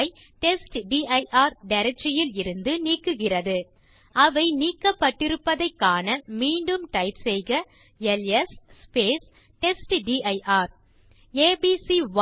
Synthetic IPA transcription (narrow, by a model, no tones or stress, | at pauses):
ɪ | ʈɛsʈɖiːɐɪʔaːɾɖɐɾɛk̚t͡ʃːɐjɪlɪɾɯnd̪ɯniːkːɯɣɪrɐðɯ | ʔɐʋɐɪniːkːɐpːɐʈːɪɾɯpːɐðɐɪkːaːnɐmiːɳɖɯmʈɐɪpsɛjɣɐ | ɛlɛsːpeːs | ʈɛsʈɖiːʔɐɪʔaːɾ | eːbiːsiʋ